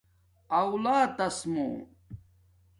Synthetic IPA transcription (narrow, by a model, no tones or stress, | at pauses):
ɐwlaːt̪ɐsmo̰ː